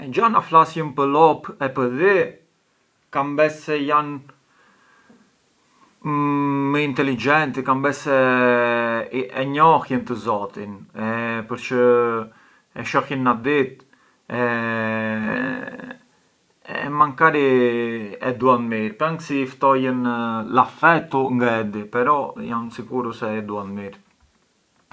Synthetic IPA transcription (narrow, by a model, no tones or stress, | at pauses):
ɛd͡ʒanaflasjəmpəlɔpɛpəði | kambɛssɛjan | mːəint̪ɛlid͡ʒɛnt̪ikambɛsɛ | ɛɲɔxjənt̪əzɔt̪inɛpəɾt͡ʃə | ɛʃɔhənːad̪it̪ | ɛ | ɛmaŋkaɾi | ɛd̪uanmiɾpɛŋɡsift̪ɔjənlafɛt̪uŋɡɛd̪ipɛɾɔjansikuɾusɛːd̪uanmiɾ